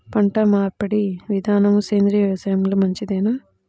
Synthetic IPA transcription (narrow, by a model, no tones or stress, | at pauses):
pɐɳʈɐmaːɾpɐɽiʋid̪ʱaːnɐmuseːnd̪ɾiːɐsɐjmlɐmɐɲt͡ʃid̪eːnɐ